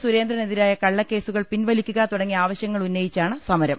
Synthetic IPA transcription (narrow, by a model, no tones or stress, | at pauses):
suɾe̞ːnd̪rɐneðiɾaːjɐkɐɭːɐkːe̞ːsuɣɐɭpinʋɐlikʲːuɣɐt̪uɽɐŋːiaːʋɐɕjɐŋːɐɭunːɐjit͡ɕːaːɳɨsɐmɐɾɐm